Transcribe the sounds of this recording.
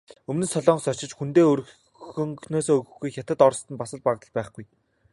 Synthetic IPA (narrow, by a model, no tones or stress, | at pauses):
ɵmnɘ̆sɔɮɔːɴɢ̆sɔt͡ɕɪ̆t͡ɕxunt̪eːɵɾɵ | ɵŋnoːsoːɣɵ̆xɡujxʲat̪ə̆t̪ɔrst̪ə̆npasə̆ɮ̚paʁt̪ə̆ɮpæːχɡuj